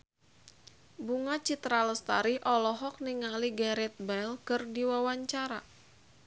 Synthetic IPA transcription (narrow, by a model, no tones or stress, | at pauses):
buŋat͡ʃit̪ɾaləst̪a̰ɾiʔɔlɔɦɔk̚niŋaliɡaɾɛt̪̚bɛlkɨrdiwawaɲt͡ʃaɾa